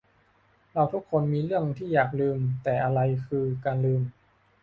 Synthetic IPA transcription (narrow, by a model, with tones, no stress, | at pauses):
ɾa˧wt̪ʰu˦˥kʰːo˧nmiː˧ɾɯ˥˩əŋt̪ʰiː˥˩jaː˨˩k̚lɯː˧mt̪ɛː˨˩ʔa˧ɾa˧jkʰɯː˧kaː˧nlɯː˧m